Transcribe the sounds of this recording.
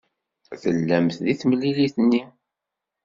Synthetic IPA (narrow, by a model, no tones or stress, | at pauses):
θəlːæmθðiθmlːiliθnːi